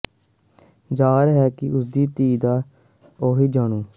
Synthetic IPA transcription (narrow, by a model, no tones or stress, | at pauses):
d͡ʒaːɾɦɛːkɪʊsd̪iːt̪iːd̪aː | oːɦiːd͡ʒaːɳũː